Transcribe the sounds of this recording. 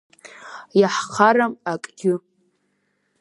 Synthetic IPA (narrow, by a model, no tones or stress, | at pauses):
jaħqʰaɾamakʼɡ̥ʲɪ